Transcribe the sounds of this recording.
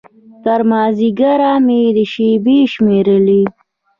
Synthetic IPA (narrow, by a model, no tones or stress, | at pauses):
t̪aɾmɑːziɡaɾamed̪əʃebiʃmeɾəli